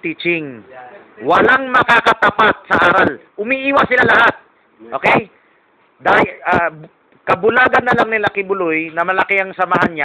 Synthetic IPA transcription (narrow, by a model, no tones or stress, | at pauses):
t̪iːt͡ʃɪŋ | wɐlaŋmɐkakɐt̪ɐpat̪̚sɐʔaːɾalʔʊmiʔiːwɐsɪlalɐhat̪̚ | ʔoːkɛj | d̪aːhɪa | kɐbʊlaːɡɐnːɐlaŋnɪlakɪbʊlojnɐmɐlɐkɪʔɐŋsɐmaɦanɲa